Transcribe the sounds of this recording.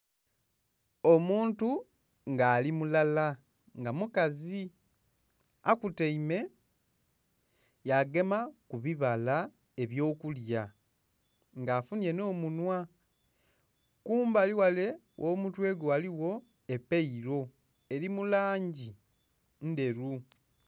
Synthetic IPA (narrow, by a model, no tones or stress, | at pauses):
o̞muːntu | ŋɡaːlimulala | ŋɡamukazi | akuteime̞ | jaɡe̞makuβiβala | e̞βjo̞ːkulja | ŋɡaːfunje̞no̞ːmunwa | kuːmbaliwale̞ | wʔoːmutwe̞ːɡoaliwo̞ | epeiɾo̞ | e̞ɾimulaːɲɟi | nde̞ɾu